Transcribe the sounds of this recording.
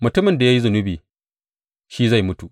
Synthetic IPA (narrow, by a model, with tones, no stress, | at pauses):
mʊ˨tʊ˦mɪ˨nda˨ja˦ji˦zʊ˨nʊ˦biː˨ | ʃiː˦za˦˨jmʊ˦tu˨ʔ